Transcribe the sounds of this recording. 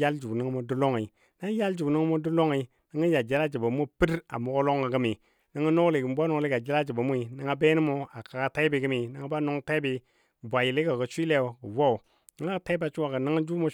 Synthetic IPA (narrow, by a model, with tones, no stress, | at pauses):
a˦ld͡ʒu˨ni˦ŋ˦mo˨du˦lo˦ŋi˨ | na˦ja˦ld͡ʒu˨nə˦ŋ˦mo˦du˦lo˦ŋi˨ | nə˦ŋə˦ja˨d͡ʒi˦la˦d͡ʒi˨ba˨mu˦pi˦ɾa̰˨mo˨˦ɡo˦lo˦ŋa˨ɡə˦mi˨ | nə˦ŋə˦no˦kli˨ɡə˨m˦bʷa˦no˦˨˦li˦ɡa˨d͡ʒi˦la˦d͡ʒi˨ba˨mu˦i˨nə˨˦ŋa˦be˦ni˦mo˦a˨ka˨ka˦ta˦i˦bi˨ɡə˦mi˨nə˨ŋa˦ba˦no˦ŋta˦i˦bi˨ | bʷa˨ji˨li˦ka˨kə˨t͡ʃʷi˦le˦o˨ɡə˨wo˦u˨ | nə˨ŋa˦˨ta˦i˦ba˨t͡ʃu˦wa˨ɡə˨nə˦ŋə˦d͡ʒu˦mo˨